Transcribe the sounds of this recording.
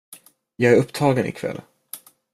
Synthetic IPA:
jɑːɡæɾɵpːt̪ʰɑːɡənɪ̰kʰvɛ̰lːən

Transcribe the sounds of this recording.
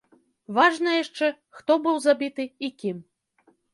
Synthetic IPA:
vaʐnɐjaʂt͡ʂɛ | xt̪ɔbɨwzabʲit̪ɨikʲim

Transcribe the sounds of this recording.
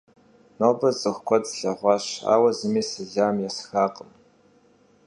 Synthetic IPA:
noːbɐzɨχʷkʷɔt͡sɬɐʁʷɑʃa̰ːwɐzɨmiːsɨɮaːmjasxaːqʼəm

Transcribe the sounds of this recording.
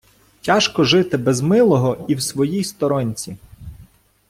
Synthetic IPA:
tʲaʃkɔʒɪt̪ɪbɛzmɪlˠɔɦɔiwsʋɔjijst̪ɔɾɔnʲt͡sʲi

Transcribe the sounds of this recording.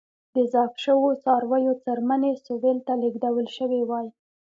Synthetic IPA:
d̪əzɑfʃəwot͡sɑɾwəjot͡saɾmanesobelt̪aleɡd̪awəlʃəwewɑj

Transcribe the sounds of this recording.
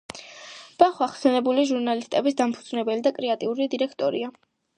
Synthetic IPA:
b̥aχwaχsɛnɛbuliʒuɾnalist̪ʼɛbisd̪ampʰud̪znɛbɛlid̪akʼɾɛat̪ʼiuɾid̪iɾɛkʰt̪ʼɔɾia

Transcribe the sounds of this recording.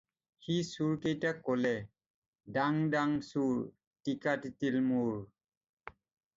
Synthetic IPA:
xisuɹkejtakːolɛ | daŋdaŋsuɹ | tikatitilmuɹ

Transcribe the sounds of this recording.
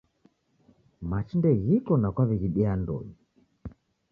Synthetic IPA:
mat͡ʃindɛɣikɔnakwaβɛɣiɗiandɔ̰ɲi

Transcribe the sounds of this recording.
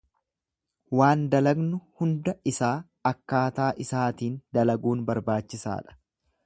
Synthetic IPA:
waːnd̪ɐlɐɡnʊhʊnd̪ɐɪsaː | ɐkːaːt̪aːʔɪsaːt̪iːnd̪ɐlɐɡuːnbɐɾbaːt͡ʃːɪsa̰ːᶑɐ̥

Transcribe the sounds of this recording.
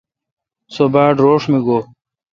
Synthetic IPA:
sobaːɖɾoːʂmiɡoː

